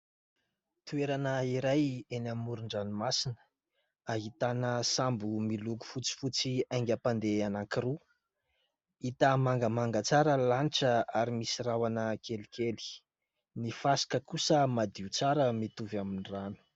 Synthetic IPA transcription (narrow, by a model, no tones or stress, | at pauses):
t̪ueɾanəiɾajenamuɾuɳɖ͡ʐanumasinə̥ | aɦit̪anəsambumiluku̥fut͡si̥fut͡siajŋɡʲapand̪eanaŋkiɾu | it̪amaŋɡəmaŋɡət͡saɾəlaniʈ͡ʂəaɾimisirawanəkʰelikeli̥ | nifasi̥kəkusəmad̪iut͡saɾəmit̪uvaminiranu̥